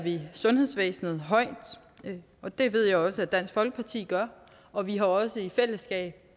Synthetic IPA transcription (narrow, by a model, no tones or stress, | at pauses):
ʋisɔ̽nhe̝ð̰ˠsʋḛːsnð̞̩ˠɦɒ̽ɪ̰d̥ | ɒ̽d̥e̝ʋe̝ð̞̰ˠjɑɪɒ̽səæd̥æn̰sɡ̥fɒ̽lɡ̥ə̥pʰɑ̈t͡sʰḭːɡ̥ɶɐ | ɒ̽ʋiɦɑ̈ɒ̽səifel̰əsɡ̥ɛ̰ːb̥̚